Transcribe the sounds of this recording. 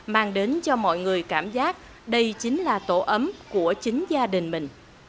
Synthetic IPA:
maː˧ŋɗe˨˦nt͡ɕɔ˧mɔ̰˧˨jŋɨ˨˩əjkaː˧˩mzaː˦˥k̚ | ɗə˧jt͡ɕï˨˦ŋ̟laː˨˩t̪o˧˩ʔə˨˦mku˧˩ət͡ɕï˨˦ŋzaː˧ɗï˨˩ŋ̟mï˨˩ŋ̟

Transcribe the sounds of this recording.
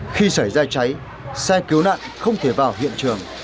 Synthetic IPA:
xi˧sa˧˩jzaː˧t͡ɕa˨˦j | sɛ˧ki˨˦wna̰ː˧˨nxə˧wŋ͡mt̪ʰe˧˩vaː˨˩wɦḭ˧˨ənt͡ɕɨ˨˩əŋ

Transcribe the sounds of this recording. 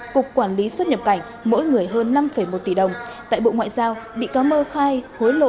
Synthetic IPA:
kʊ˨˩k͡p̚kwaː˧˩nli˨˦swə˦˥t̚ɲə˨˩p̚ka˧˩jŋ̟mo̰˧˥jŋɨ˨˩əjɦəː˧nːa˧mfə˨˧˩jmo˨˩t̚t̪i˧˩ɗə˨˩wŋ͡m | t̪a̰ː˧˨jɓo̰˧˨ŋwa̰ː˧˨jzaː˧wɓḭ˧˨kɔ˨˦məː˧xaː˧jho˨˦jlo̰˧˨

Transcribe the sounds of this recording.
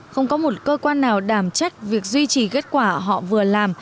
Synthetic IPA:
xə˧wŋ͡mkɔ˨˦mo˨˩t̚kəː˧kwaː˧nːaː˨˩wɗaː˧˩mt͡ɕa˦˥jk̟̚vi˨˩ək̚zwi˧t͡ɕi˨˩ke˦˥t̚kwaː˧˩ɦɔ̰˧˨vɨ˨˩əlaː˨˩m

